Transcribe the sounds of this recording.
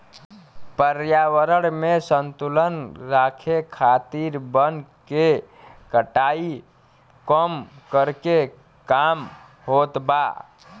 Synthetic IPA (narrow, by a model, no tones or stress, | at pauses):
pəɾjaːwəɾəɽmẽsə̃nt̪ulənɾaːkʰekʰaːt̪iːɾbənke | kəʈaːi | kɔmkəɾke | kaːm | hoːt̪baː